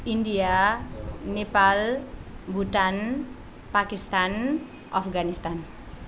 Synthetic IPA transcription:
india | nepalbʱuʈan | pakist̪an | ʔafɡanist̪an

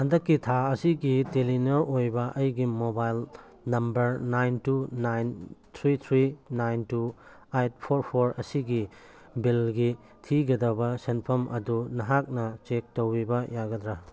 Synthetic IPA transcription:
hɐndɐkːitʰaɐsiɡitelinɐʔojbɐʔɐjɡimobajl | nɐmbɐɾnajntunajnt̪ʰɾit̪ʰɾinajntu | ajt̚pʰoɾpʰoɾɐsiɡi | bilɡi | tʰiɡɐdɐbɐsenpʰɐmʔɐ̰dunɐɦak̚nɐt͡ʃek̚towibɐjaɡɐdɾa

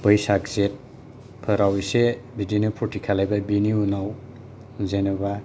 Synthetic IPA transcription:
bəjsak̚zet̚ | pʰɯɾawisebidinupʰutikʰalajbabiniunaw | zenuba

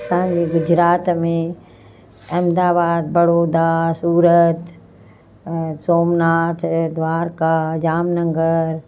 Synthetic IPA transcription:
sãːɲd͡ʒiːɡʊd͡ʒɾaːt̪mẽ | ɐmd̪aːbaːd̪̚bɐɽoːd̪asuːɾət̪ | soːmnaːt̪ʰd̪ʋaːɾkad͡ʒaːmnə̃ŋɡəɾ

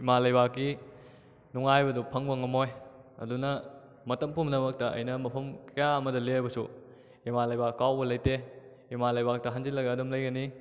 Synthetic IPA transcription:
imalɐjbakːi | nuŋajbɐdupʰɐŋbɐŋɐmojɐ̰dunɐ | mɐtɐmpumnɐmɐk̚tɐʔɐ̰jnɐmɐpʰɐmkɐjaɐmɐdɐlebɐsu | imalɐjbakːawbɐlɐjte | imalɐjbak̚tɐɦanzilːɐɡɐːdɐmlɐjɡɐni

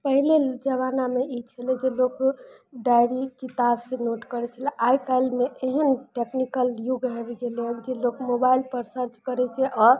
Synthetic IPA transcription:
pəɦileld͡ʒəβanameit͡ʃʰəlɛd͡ʒelok | ɖajɾikit̪absẽnoʈkəɾɛt͡ʃʰəlɛʔajkajlmeʔeɦənʈeknikəljuɡʱɦebɡeld͡ʒelokmobailpəɾsəɾt͡ʃkəɾɛt͡ʃʰɛʔɔːɾ

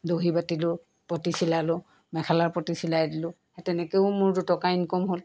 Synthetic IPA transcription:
doɦibatilʊ | pɔtisilalʊ | mɛkʰalaɹpɔtisilajdilʊ | ɛtɛnɛkeʊmʊɹtutɔkainkɔmɦol

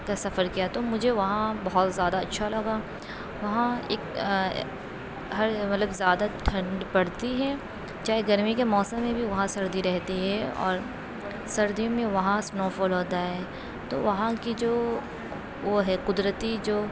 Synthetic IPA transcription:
kasɐfəɾkijat̪omʊd͡ʒʱeʋɐɦãbɐɦɔt̪zjaːd̪aɐtːʃʰalɐɡaː | ʋɐɦãḛːk | ɦɐɾmɐt̪ləbzjaːd̪aʈʰɐ̃ɳɖbɐɽt̪iɦɛ | t͡ʃaːɦeɡɐɾmikemɔːsə̃mːẽbʱiʋɐɦãsɐɾd̪iɾɛɦt̪iɦɛɔ̰ːɾ | sɐɾd̪ijõmẽʋɐɦãsnɔːfoːlɦoːt̪aɦɛː | t̪o̰ʋɐɦãkid͡ʒoː | ʋoɦɛqʊd̪ɾət̪id͡ʒoː

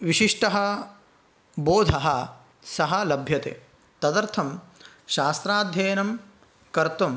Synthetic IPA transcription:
ʋiʃiʂʈɐɦɐ | boːd̪ʱɐɦɐ | sɐɦɐlɐbʱjɐt̪ḛː | t̪ɐd̪ɐɾt̪ʰɐm | ʃaːst̪ɾaːd̪ʱjeːnɐm | kɐɾt̪um

